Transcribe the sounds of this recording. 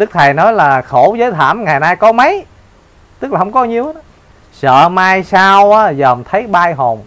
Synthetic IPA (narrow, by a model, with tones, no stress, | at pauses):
ɗɨ˦˥k̚t̪ʰa˨˩jnɔ˨˦jlaː˨˩xo˧˩˦zəː˨˦jt̪ʰa̰ː˧˩mŋaː˨˩jnaː˧jkɔ˨˦mə˨˦j | t̪ɨ˦˥k̚laː˨˩hwŋ͡mkɔ˨˦ɲi˧əwnɔ˨˦ | sə̰ː˧˨maː˧jsaː˧wʔaː˨˦zəː˨˩mt̪ʰə˨˦jɓaː˧jɦo˨˩n